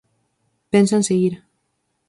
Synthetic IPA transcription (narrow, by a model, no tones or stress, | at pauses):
pensanseɣiɾ